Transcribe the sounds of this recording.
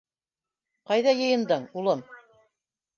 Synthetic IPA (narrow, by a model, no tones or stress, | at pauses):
qɑjðɑjɤ̆jɤ̆nd̪ɤɴulˠɤm